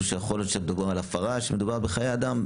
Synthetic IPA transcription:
ʃejeχoljot̪ʃemed̪ubialafaʁaʃemed̪ubaʁbeχajead̪am

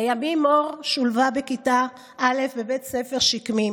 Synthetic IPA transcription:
ajamimo̞ʁʃulvabe̞kita | ʔale̞fbebe̞tsefe̞ʁʃikmim

